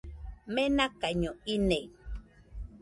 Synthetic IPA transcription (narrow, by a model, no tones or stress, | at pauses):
menakaɲoine